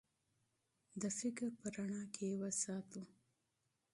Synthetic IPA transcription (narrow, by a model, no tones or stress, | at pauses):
d̪əfɪkɾpəɾaɳɑkʰewəsɑt̪u